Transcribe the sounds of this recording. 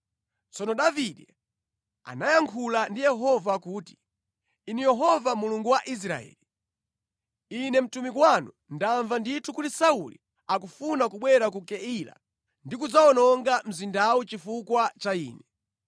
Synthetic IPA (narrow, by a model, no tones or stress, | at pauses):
t͡sɔnɔɗaviɗɛ | a̰najaŋkʰulandijɛɦɔvakuːti̥ | inijɛɦɔvamuluŋɡuwaʔis̬ɾa̰ɛ̰ːli | inɛm̩tumikwanu | ndaɱvanditʰukutisaulḭ | akufunakuɓwɛɾak̬ukɛila̰ | ndikud͡zaɔnɔŋɡam̩zindawut͡ʃifukwat͡ʃaḭːnɛ